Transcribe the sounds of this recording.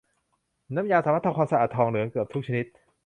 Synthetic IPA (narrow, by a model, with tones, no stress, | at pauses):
na˦˥mjaː˧saː˨˦mːa˥˩t̪ʰa˧kʰaː˧sa˧ʔaː˨˩t̪ʰːɔː˧ŋnɯ˩˦kɯ˨˩p̚t̪ʰu˥k̚t͡ɕʰni˦˥t̪̚